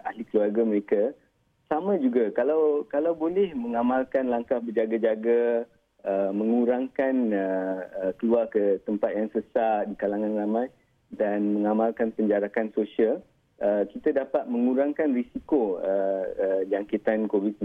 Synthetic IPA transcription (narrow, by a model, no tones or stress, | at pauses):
ahlikəluarɡamə̃ɾeka | samãd͡ʒuɡakalawkalawbolɛhməŋamalkanlaŋkahbərd͡ʒaɡad͡ʒaɡa | əmə̃ŋuɾaŋkanəəkəluarkət̪əmpat̪̚jaŋsəsat̚dikalaŋãnramãj | danmə̃ŋamalkanpəɲd͡ʒaɾakansosial | ʔəkit̪adapat̪̚mə̃ŋuɾaŋkanrisikoəəd͡ʒaŋkit̪ankovit̪̚